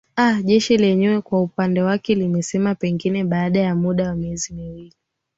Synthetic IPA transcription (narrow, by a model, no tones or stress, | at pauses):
aʄɛʃilɛɲɛwɛkwaupandɛwakɛlimɛsɛmapɛŋɡinɛɓaːɗajamuɗawamiɛzimiwili